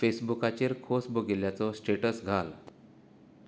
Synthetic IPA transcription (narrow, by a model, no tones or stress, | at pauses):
fesbukat͡ɕeɾkʰosbʱoɡeljat͡sɔsʈeʈəsɡʱal